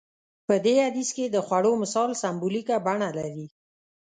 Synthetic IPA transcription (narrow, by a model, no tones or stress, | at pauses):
pəd̪ead̪isked̪əxwaɽomɪsɑlsambulikabaɳalaɾi